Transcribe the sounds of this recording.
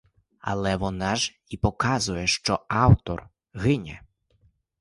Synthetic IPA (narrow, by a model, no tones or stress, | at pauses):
ɐ̰lˠɛʋɔnaʐ | ipɔkazʊjɛʂt͡ʂɔawt̪ɔr | ɣɪnʲɛ̰